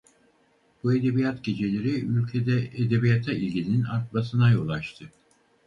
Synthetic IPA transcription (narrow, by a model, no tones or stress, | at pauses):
b̥ue̞d̪e̞bijat̪ɟe̞d͡ʒe̞lʲe̞ɾiylʲcʰe̞d̪ɛed̪e̞bijat̪ʰailʲɟʲilʲininaɾt̪̚basɯnajo̞lˠaʃt̪ʰɯ